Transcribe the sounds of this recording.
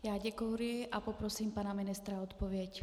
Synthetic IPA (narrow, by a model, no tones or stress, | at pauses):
jaːɟɛkowɾɪʔapopɾosiːmpanamɪnɪst̪ɾaɔt̪povɪɛc